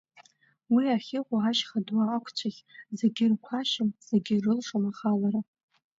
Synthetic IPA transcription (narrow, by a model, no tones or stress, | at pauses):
wiaχʲɪχʷaaʃχadwaːkʷʰt͡ɕʷʰaχʲzeɡʲɪrkʷʰaʃɪmz̥eɡʲɪrɨlʂʼomaχalaɾa